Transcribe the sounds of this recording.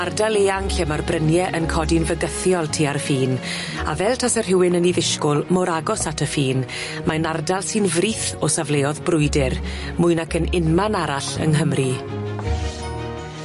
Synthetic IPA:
ardalˠeːaŋɬɛmarbrənjɛʔənkʰɔdinvəɡəθjɔlˠtʰiːaɾəfiːn | a̰vɛlˠtʰasɛrɦɪwɪnəniðɪʃkʊlˠmɔɾaɡɔsatʰəfiːn | manardalˠsɨnvriːθɔsavleːɔðbrʊɨdɪr | mʊɨnakʰənɪnmanaɾaɬə̰nɦəmri

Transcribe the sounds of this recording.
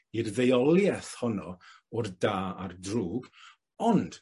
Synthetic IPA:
irðejɔlˠjɛθhɔnɔ | ʊrdaːardruːb | ɔnd̥

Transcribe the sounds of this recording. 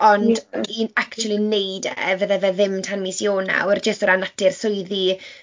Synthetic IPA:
ɔnd̥diːnakt͡ʃuwlˠinejdɛ̰vəðɛvɛðɪmtʰanmisjoːna̰wərd͡ʒəstəɾanatʰɪrsʊɨði

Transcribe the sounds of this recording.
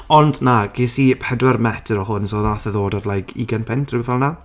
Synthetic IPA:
ɔndnaɡ̥eːsipʰɛdwɛrmɛtʰəɾɔɦʊnsoːðaθəðoːdadlˠajɡʰḭɡanpʰɪntʰrɪwɪvɛlˠna

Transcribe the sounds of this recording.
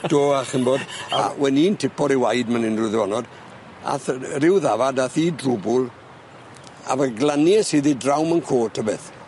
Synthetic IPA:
d̥oːaχəmboda̰wɛniːntʰɪpɔɾiwajdmanɪnrʊðəɔnɔd | a̰θrɪwðavadaθidrʊbʊlˠ | a̰vəɡlanjɛsiðidrawmənkʰoːtʰəbɪθ

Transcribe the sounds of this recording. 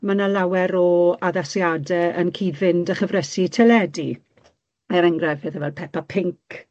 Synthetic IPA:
manalawɛɾɔaðasjadɛənkʰiːdvɪndəχəvrɛsitʰɛlɛdi | ɛɾɛŋɡrɛvɪðɛvɛlˠpʰɛpapʰɪŋk

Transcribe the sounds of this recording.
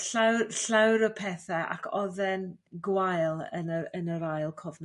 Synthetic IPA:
ɬawɬawɾəpʰɛθɛʔa̰kʰɔðɛnɡwajlˠə̰nəənəɾajlˠkʰɔvnɔ

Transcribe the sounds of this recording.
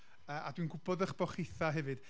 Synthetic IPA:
əːʔa̰dwinɡʊbɔðəχb̥ɔχɪθaɦɛvɨd̥

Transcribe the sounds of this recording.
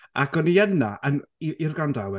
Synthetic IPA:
ʔakɔniənaʔəniirɡandawɛ

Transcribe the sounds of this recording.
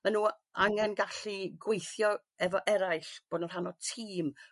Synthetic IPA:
manuː | aŋɛnɡaɬiɡwejθjɔ | ɛvɔʔɛɾajɬb̥oːdnɔr̥ɦanɔtʰiːm

